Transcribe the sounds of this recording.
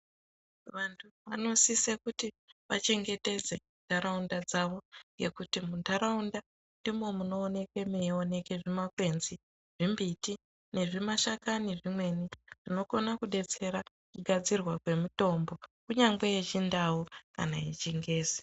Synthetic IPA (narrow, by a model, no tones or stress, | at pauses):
ʋantʰuʋano̞sisekuti | ʋa̰t͡ʃe̞ŋɡe̞te̞d͡zemundʱaɾaundad͡zaʋo̞ŋɡe̞̰kutimundaɾaunda | ndimo̞muno̞ːne̞ke̞meo̞ne̞keʐimakwe̞nzi | ʐ̥imbiti | ne̞ʐimaʃakaniʐimwe̞niʐino̞konakuɗe̞t͡se̞ɾa | kuɡʱad͡zirwakwe̞muto̞mbo̞kuɲaŋɡeet͡ʃindawuka̰naet͡ʃiŋɡe̞ːzi